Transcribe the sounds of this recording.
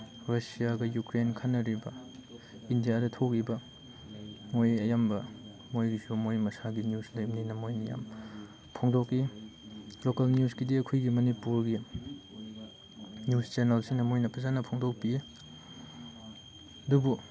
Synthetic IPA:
ɾɐsijaɡɐjukɾenkʰanːɐɾibɐ | indijadɐtʰok̚ibɐ | mojɐjambɐ | mojɡisumojmɐsaɡinjuslɐjmninɐmojnɐja̰m | pʰoŋdoki | lokɐlnjusɡidiɐkʰujɡimɐnipuɾɡi | njust͡ʃenelsinɐmojnɐpʰɐzanɐpʰoŋdok̚pie | ɐdubu

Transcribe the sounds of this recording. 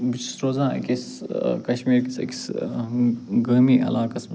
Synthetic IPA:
bit͡ʃʰi̥sɾoːzãːɐ̰kʲis | kɐʃmiːɾkisɐ̰ki̥s | ɡɐːmiːʔɐ̰laːkɐs

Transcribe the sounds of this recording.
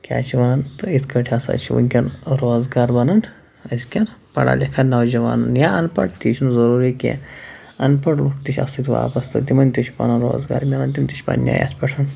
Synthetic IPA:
kʲa̰ːt͡ʃʰiʋɐnɐnt̪ɨit̪ʰkʰɐʈʰʲɐsa̰t͡ʃʰiʋṵkʲɐnɾoːzɡaːɾbɐnɐn | ɐsʲkʲɐnpɐɽa̰ːlekʰɐtnɐwd͡ʒɐʋa̰ːnɐnjaɐnpɐ̰ʈt̪iːt͡ʃʰnzɐɾuːɾikʲḛ̃ | ɐnpɐʈlukt̪it͡ʃʰʲɐ̰sit̪ʋa̰ːpɐst̪ɐt̪imɐnt̪it͡ʃʰipɐ̰nɐnɾo̰ːzɡa̰ːɾmʲelɐnt̪imt̪it͡ʃʰʲpɐ̰nʲja̰ːja̰ːt̪ʰpɐʈʰɐn

